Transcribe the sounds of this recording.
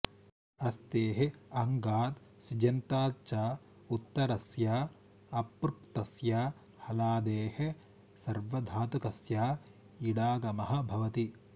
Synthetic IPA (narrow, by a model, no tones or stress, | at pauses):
ɐst̪eːɦeɐŋɡaːt̪ | sid͡ʒɐnt̪aːt͡ʃaː | ut̪ːɐɾɐsjaː | ɐpɾkt̪ɐsjaː | hɐlaːd̪eːhĕ | sɐɾʋɐd̪ʱaːt̪ukɐsjaː | iɽaːɡɐmɐɦɐ̆bʱɐʋɐt̪i